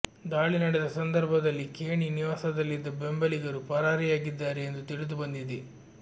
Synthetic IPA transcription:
d̪aːɭinɐɽɛd̪ɐsɐnd̪ɐɾbʱɐd̪ɐlːikeːɳiniʋaːsɐd̪ɐlːid̪ːɐbe̞mbɐliɡɐɾupɐɾaːɾijaːɡid̪ːaːɾeend̪ut̪iɽid̪ubɐnd̪id̪i

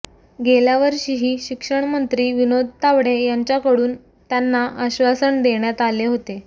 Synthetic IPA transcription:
ɡeljaʋəɾɕiːɦiːɕikʂəɳmənt̪ɾiːʋinod̪ʱt̪aʋɽ̤ejaɲt͡ɕjakəɽuːn | t̪janːaʔəɕʋasəɳd̪eɳjat̪aleɦot̪e

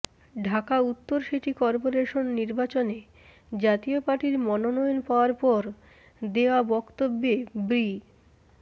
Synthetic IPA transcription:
ɖʱakaut̪ːoɾʃiʈikɔɾpoɾeʃonːiɾbat͡ɕone | d͡ʑat̪iopaʈiɾmɔnonɔjonpaoaɾpɔɾ | d̪eoabɔkt̪obːebɾi

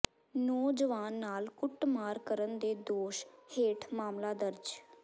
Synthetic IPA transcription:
noːd͡ʒəʋaːnːaːlkʊʈmaːɾkəɾənd̪eːd̪oːʃheːʈʰmaːmlaːd̪əɾd͡ʒ

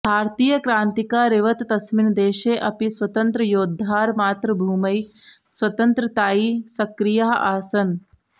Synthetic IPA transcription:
bʱaːɾt̪iːjɐkɾaːnt̪ikaːɾeʋɐt̪t̪ɐsmind̪eːʃeːʔɐpisʋɐt̪ɐnt̪ɾɐjoːd̪ʱːaːɾmaːt̪ɾɐbʱuːmɐj | sʋɐt̪ɐnt̪ɾɐt̪aːiːsɐkɾijaɦɐʔaːsɐn

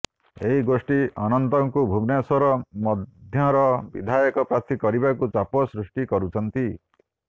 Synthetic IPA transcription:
eɦiɡosʈiɔnɔnt̪ɔŋkubʱumnesɔɾɔmɔd̪ʱjɔɾɔbḭd̪ʱajɔkɔpɾaɾt̪ʰikɔɾibakut͡ʃapɔsɾusʈikɔɾut͡ʃʰɔnt̪i

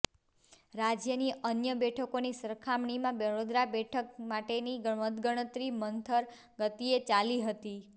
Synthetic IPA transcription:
ɾad͡ʒjəniənjəbɛʈʰəkonisəɾkʰamɳimãbəɾod̪ɾabɛʈʰək̚maʈeniɡəɳʋət̪ɡəɽ̃ət̪ɾimənt̪ʰəɾ | ɡət̪iet͡ʃaliɦət̪i

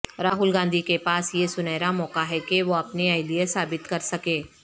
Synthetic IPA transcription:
ɾaːɦʊlɡãːnd̪ʱikepaːsjesʊnɛːɾamɔːkaɦɛkeʋoɐpneɐɪliesaːbɪt̪kɐɾsɐkeː

